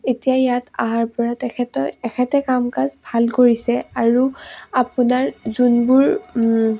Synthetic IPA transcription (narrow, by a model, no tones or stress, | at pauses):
etijajata̰ɦaɹpɔɹatɛɛtɔɛxʰɛtɛkamkazbʱalkoɹisɛaɹuapunaɹzunbuɹ